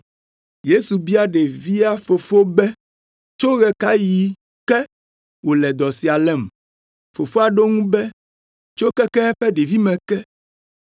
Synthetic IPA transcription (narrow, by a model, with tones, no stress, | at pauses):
je˦su˨bi˦a˦ɖe˨vi˦a˦fo˨fo˦bɛ˦ | t͡ʃo˦ɣɛ˦ka˦ji˨˦ | kɛ˦ | wo˨lɛ˨d̪ɔ˨si˨a˨lɛ˦˨m | fo˨fo˦a˨ɖo˦ŋũ˦bɛ˦ | t͡ʃo˦kɛ˦kɛ˦ɛ˦ɸɛ˦ɖe˨vi˦mɛ̃˨kɛ˦